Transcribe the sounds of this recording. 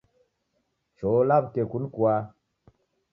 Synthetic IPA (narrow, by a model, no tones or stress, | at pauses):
t͡ʃolab̚kekunkwa